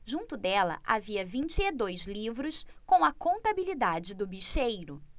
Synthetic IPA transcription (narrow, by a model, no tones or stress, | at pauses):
ʒũt̪ʊd̪ɛlɐ̰ʔa̰viɐvĩt͡ʃɪed̪ojzlivɾʊskõw̃ɐkõnt̪abilid̪ad͡ʒɪd̪ʊbiʃejɾʊ